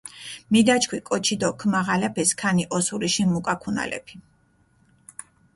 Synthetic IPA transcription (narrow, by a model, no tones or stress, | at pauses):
mid̪at͡ʃʰkʰwikʼɔt͡ʃʰid̪ɔkʰmaʁalɛpʰɛskʰaniʔɔsuɾiʃimukʼakʰuna̰lɛ̰pʰi̥